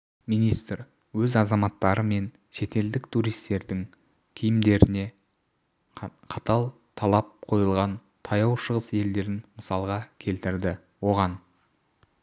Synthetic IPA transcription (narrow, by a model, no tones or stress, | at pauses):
mijnijst̪ɾ | wɵzɑzɑmɑt̪ːɑɾəme̞n | ʃe̞t̪e̞ld̪ɪkt̪ʰuɾijst̪e̞ɾd̪ɪŋ | kʲʰɪjɪmd̪e̞ɾɪne̞ | qʰɑt̪ɑlˠ | t̪ʰɑlˠɑp̚qʰo̞jəlˠʁɑn | t̪ʰɑjɑwʃəʁəse̞ld̪e̞ɾɪnməsɑlˠʁɑkʲʰe̞lt̪ɪɾd̪ɪ | wo̞ʁɑn